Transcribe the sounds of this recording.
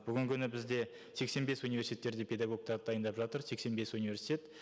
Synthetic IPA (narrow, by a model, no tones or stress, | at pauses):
b̥ʏɡʲɪŋkʲʰʏnɪbɪzd̪e̞ | se̞kse̞nbe̞sunivʲe̞ɾsit̪ʰet̪ːe̞ɾd̪e̞pʰʲe̞d̪aɡo̞k̚t̪ɑɾd̪əd̪ɑjənd̪ɑpʒɑt̪əɾse̞kse̞nbe̞sunivʲe̞ɾsi̥t̪ʲet̪